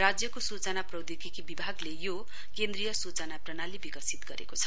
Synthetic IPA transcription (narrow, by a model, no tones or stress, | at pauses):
rad͡zjʌkosut͡sʌnaprʌwd̪ikikibibʱaɡlejo | kend̪rijʌsut͡sʌnaprʌnalibikʌsit̪ɡʌɾḛkot͡sʰʌ̥